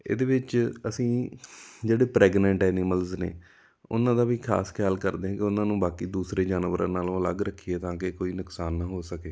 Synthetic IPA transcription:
ḛːd̪eːʋɪt͡ʃəsĩː | d͡ʒeːɽeːpɾɛːɡnɛ̃ɳʈɛːniːməlznḛː | ʊ̰nãːd̪aːʋiːkʰa̰ːskʰɪjaːlkəɾd̪eːãːkɪʊnãːnũːbaːkiːd̪uːsɾeːd͡ʒaːnʋəɾã̰ːnaːlõːələɡɾəkʰːiːeːt̪ãːkekoːiːnʊksaːnːãːɦoːsəkeː

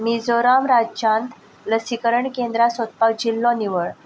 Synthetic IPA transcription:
mid͡zoɾamɾad͡ʑt͡ɕãnt̪ʰ | ləsikəɾəɳkend̪ɾasɔt̪̚pawd͡ʑilːɔ̃niʋəɭ

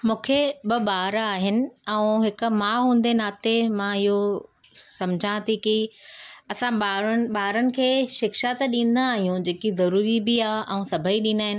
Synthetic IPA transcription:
mũːkʰeɓɐɓaːɾaːɦɪnɪ̆ɛ̃ũɦɪkʊ̆maːɦũːn̆d̪enaːt̪emãɪɦo | sɐmd͡ʑʱãt̪ʰiki | ɐsãɓaːɾn̆ɓaːɾənɪ̆kʰeːʃɪkʃat̪ɐɗĩːn̆d̪aːɦijũd͡ʑeːkizɐɾuːɾibiaːʔɛ̃ũsɐbʱəiɗĩːnd̪aːɦɪnɪ̆

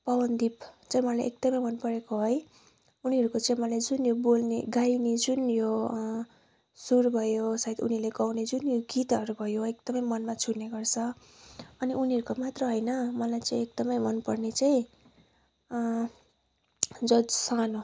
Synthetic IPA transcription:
pʌbʌnd̪ipt͡saĩmʌlajʔek̚d̪̥ʌmʌjmʌnpʌɾekoɦoj | uniʌɾukot͡saĩmʌlajd͡zunjobolneɡajnid͡zunjo | surbʱʌjosʌɦid̪unileɡʌwned͡zunjoɡit̪ʌɾubʱʌjoek̚d̪̥ʌmʌjmʌnmat͡sʰuneɡʌrt͡sʰʌ | ʌniʔuniʌɾukomat̪rʌɦʌjnʌmʌlajt͡sãĩek̚d̪ʌmʌjmʌnpʌrnet͡saĩ | d͡zʌd͡zsano

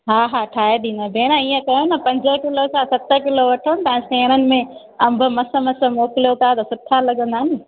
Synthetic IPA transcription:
ɦaːɦaːʈʰaːeɗiːnɐbʱeːnaiːə̃kɐjonɐpɐ̃ɲd͡ʑəkɪlosãsɐt̪əkɪloʋɐʈʰən̆t̪ɐ̃ɦɪ̃sẽːnənɪ̆mẽ | ɐ̃mbʱʊ̆mɐsə̆mɐsə̆moːkɪlijot̪ʰat̪ɐsʊʈʰːalɐɠə̃nd̪aːɦɪnɪ

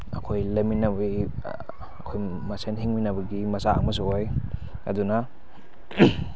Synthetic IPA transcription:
ɐ̰kʰojleminɐbi | ɐkʰoj | mɐsenɦiŋminɐbɐɡimɐsaa̰ŋmɐs̬uoj | ɐ̰duna

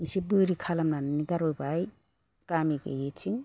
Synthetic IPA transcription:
isibɯɾikʰalamnanɯniɡaɾɔjbaj | kamiɡḛjet͡ʃʰiŋ

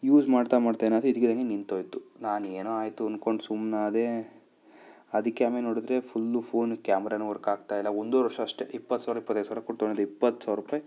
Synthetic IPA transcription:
juːd͡ʒmaːɽt̪amaːɖt̪enaːd̪ɾeid̪ikːed̪ɐŋɡenint̪ɦoːjt̪unaːneːnoaːjt̪uɐnko̞ɳɖsumnaːd̪e̞ | ɐd̪ɐkːeaːmenoːɽid̪ɾe̞pʰulːupʰoːnkjaːmɐɾaːnuɐɾkaːɡt̪aːjilːɐond̪oɾɐɾʂɐːʂʈeipːɐt̪ːsaːʋɾaɐipːɐt̪ːɐj̪saʋɾakoʈt̪oɳɖid̪uipːɐt̪ːsaːʋɾupaːj

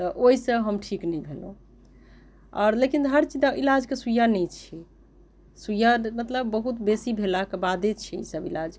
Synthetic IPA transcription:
t̪ɔʔoisə̃ɦəmʈʰiknɛjbʱelo̰ | ɔ̰ːɾlekinɦəɾt͡ʃid̪aʔilad͡ʒkesujanɛjt͡ʃʰi | sujamət̪ləbːəɦut̪besibʱelakebad̪et͡ʃʰiḭsəbilad͡ʒ

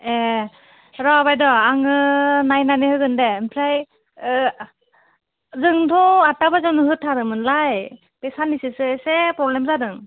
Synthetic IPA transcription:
ɛ | ɹɔbajdɔaŋɯnajnaniɦɯjɡɯndɛmpʰlaj | zɯŋtʰɔatabazɔnɯɦɯtʰːaɾɯmɯnlaj | pɛsanisɯsɯɛsɛpɔblɛmzadɯŋ

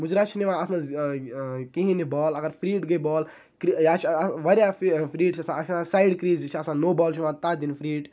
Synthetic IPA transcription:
mʊd͡ʒɾaːt͡ʃʰiniʋãːɐsnã | kĩɦĩnibɔːlɐɡɐɾpʰɾiːʈɡɐibɔːl | kjaːt͡ʃʰʋɐɾjaːfpʰɾiːʈt͡ʃʰɐsãɐt͡ʃʰnãsaːjɖkɾiːzt͡ʃʰɐsãːnoːbɔːlt͡ʃʰiʋãːt̪ad̪inpʰɾiːʈ

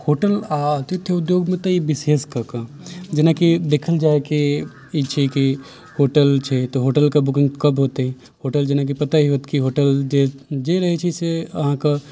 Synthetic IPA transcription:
hoːʈəlat̪it̪ʰːjeʊd̪joːɡmẽt̪ɐibɪseːskɐkã | d͡ʒenakid̪eːkʰəld͡ʒaːeke | it͡ʃʰiki | hoːʈəlt͡ʃʰet̪oɦoːʈəlkabʊkɪ̃ŋɡkɐbɦoːt̪eɦɛ̃ | hoːʈəld͡ʒenak̬ipɐt̪aɦiɦot̪kiɦoːʈəld͡ʒed͡ʒeɾɐɦet͡ʃʰiseɐɦãka

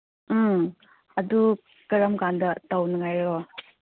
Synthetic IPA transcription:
ɐdu | kɐɾɐmkandɐtawnɐŋajɾo

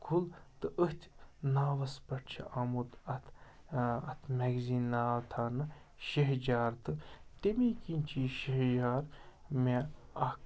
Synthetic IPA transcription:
kʰult̪ɨʔəht̪ʲnaːʋɐspɐʈt͡ʃʰiʔɐmut̪ɐt̪ʰ | ɐt̪ʰmɛɡziːnːaːʋt̪ʰaːnɨ | ʃeɦd͡ʒaːɾt̪ɨt̪emiːkinʲt͡ʃʰiːʃeɦd͡ʒaːɾmeɐ

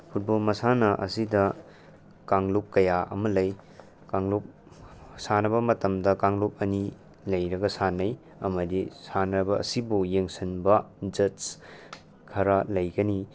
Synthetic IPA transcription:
pʰut̚bolmɐsanɐʔɐ̰sidɐ | kaŋlup̚kɐjaʔɐ̰mɐlɐj | kaŋlop̚ | sanɐbɐmɐtɐmdɐkaŋlop̚ɐni | lɐjɾɐɡɐsanːɐj | ɐmɐdisanɾɐbɐɐ̰sibujeŋsɐnbɐd͡ʒɐt | kʰɐɾɐlɐjɡɐni

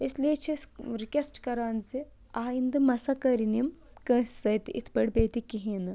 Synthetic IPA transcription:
islet͡ʃʰisɾikesʈkɐɾaːnt͡si | aːind̪ɨmɐsɐkɐɾinim | kəsɐjt̪ḭt̪ʰpəɽbet̪ikiɦinɨ

